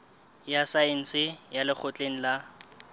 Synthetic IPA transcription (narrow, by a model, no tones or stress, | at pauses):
jasaen̩sɪjalɪk͡xʰʊt͡ɬʼeŋ̩la